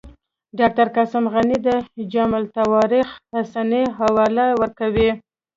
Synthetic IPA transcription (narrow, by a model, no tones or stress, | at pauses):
ɖɑk̚ʈaɾkasamɣanid̪əd͡ʒamalt̪awɑɾixhasaniɦawɑlajwəɾkawi